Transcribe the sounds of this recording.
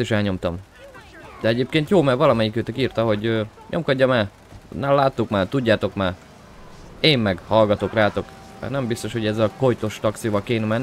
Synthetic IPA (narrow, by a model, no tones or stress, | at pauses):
iʃɛlɲo̞mt̪ɒm | d̪̥ɛɛɟeːpkeːnt̪joːmɛrvɒlɒmɛjikøːt̪økiːrt̪ɒɦo̞ɟø | ɲo̞̰mkɒɟːɒmɛ | nɛmlaːt̪ːukmaːt̪uɟːaːt̪o̞kmaː | eːmːɛɡhɒlɡɒt̪o̞kraːt̪o̞k | ɛ̰nɛmbist̪o̞ʃho̞ɟɛzːɛlko̞jt̪oʃt̪ɒk̚t̪sijovɒlkeːnɛmɛnː